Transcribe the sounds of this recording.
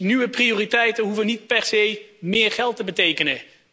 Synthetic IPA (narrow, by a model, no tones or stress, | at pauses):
nyʋəprijoːritɛjtənɦuvənit̚pɛɹzejmɪːɹχɛlˠtəbətejkənə